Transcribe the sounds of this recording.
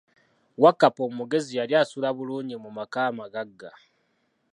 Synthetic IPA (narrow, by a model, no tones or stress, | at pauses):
wakːapo̞ːmuɡe̞zijaljasulaβuluːɲimumakaːmaɡaɡːa